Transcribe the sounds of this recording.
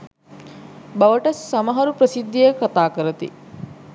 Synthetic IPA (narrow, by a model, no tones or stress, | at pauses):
baʋəʈɐsːamɐɦɐɾupɾəsid̪ʱːijəkat̪aːkəɾət̪ḭ